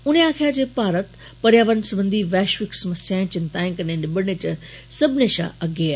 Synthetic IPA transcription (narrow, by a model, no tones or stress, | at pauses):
ʊneaːkʰeaːd͡ʑeːpaːɾət̪ | pɐɾjaːʋən̆sɐbə̃nd̪ʱiʋɛːʃʋɪksɐməsjaːɪ̃t͡ɕɪnt̪ãːɪ̃kɐnenɪbəɽ̃et͡ɕɐsɐbʱɪneʃã̰ːʔɐɡeːa